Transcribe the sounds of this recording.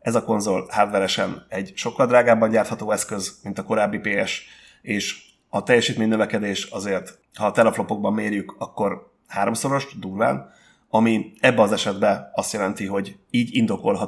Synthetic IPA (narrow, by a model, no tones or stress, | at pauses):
ɛzɒko̞nzo̞lhaːt̪vɛɾɛʃɛ̰nɛɟʃo̞kːɒld̪raːɡaːbːɒɲɟaːrt̪hɒt̪oːɛskø̞zmint̪ɒko̞ɾaːbːipeːɛʃ | eːʃ | ɒt̪ɛjːɛʃiːt̪meːɲnøvɛkɛd̪eːʃɒzeːrt̪ | hɒt̪ɛlɛflo̞po̞ɡ̚bɒmːeːrjykɒkːo̞r | haːɾo̞mso̞ɾo̞ʃd̪uːrva̰ːn | ɒmiɛbːɛɒzɛʃɛd̪bɛɒst̪jɛlɛnt̪iɦo̞ɟiːɟind̪o̞ko̞lɦɒ